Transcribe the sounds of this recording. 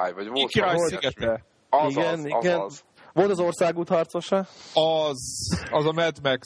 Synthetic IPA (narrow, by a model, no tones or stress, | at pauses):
jvɒɟvlkɾaːjlsiɡɛt̪ɛ | iɡɛniɡɛn | ʋo̞lt̪ɒzo̞rsaːɡuːt̪hɒrt̪so̞ʃɒɒzɒzɒmɛd̪mɛk